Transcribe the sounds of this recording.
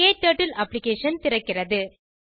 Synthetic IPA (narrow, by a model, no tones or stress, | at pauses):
eːt̪ːɐːʈːɐlʔɐpːlɪkeːʂɐnt̪ɪrɐkːɪrɐðɯ